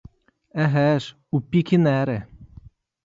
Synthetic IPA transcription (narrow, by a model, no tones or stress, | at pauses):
ɛɦɛʃ | upikʰinɛɾɛ